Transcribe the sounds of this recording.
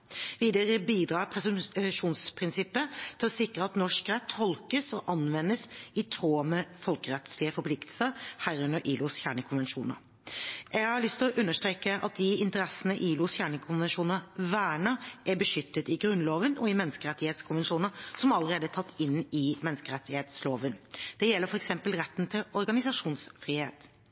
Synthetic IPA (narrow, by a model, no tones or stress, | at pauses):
ʋiːd̪əɾəbiːd̪ɾɑːɾpʰɾɛsʉmʂuːnspʰɾɪnsɪpːət̪ʰɪlɔsɪkɾəɑt̪nɔʂkɾɛt̪ʰːɔlkəsɔʔɑnʋɛnːəsɪt̪ʰɾoːmɛfɔlkəɾɛt̪slɪəfɔɾpʰlɪkt̪ʰəlsəɾhæɾʉnəɾʔiːlʊsçæːɳəkʰʊnʋɛnʂṵːnə̰ɾ | jɛɡhɑɭʏst̪ʰɪlɔʔʉnːəʂt̪ʁeːkəʔɑ̰t̪̚d̪ɪɪnt̪əɾɛsənəʔiːlʊsçæːɳəkʰʊnʋɛnʂuːnəʋæːɳəʔæbəʂʏt̪ːət̪ɪɡɾʉnloːʋənɔɪmɛnskəʁɛt̪ːɪheːt̪skʰʊnʋɛnʂuːnəsɔmɑləɾeːd̪əæt̪ʰɑt̪ʰːɪnːɪmɛnskəɾɛt̪ːɪheːt̪sloːʋənd̪̥ɛjɛlːəɾfɔɾɛksɛmpəlɾɛt̪ːn̩t̪ʰɪlɔɾɡɑnɪsɑʂuːnsfɾiːhḛːt̪